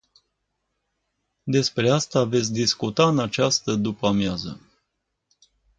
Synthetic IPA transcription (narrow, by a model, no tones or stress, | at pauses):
d̪e̞spɾe̞ast̪ave̞t̪sʲd̪iskut̪aɨnat͡ʃast̪əd̪upamjazə̰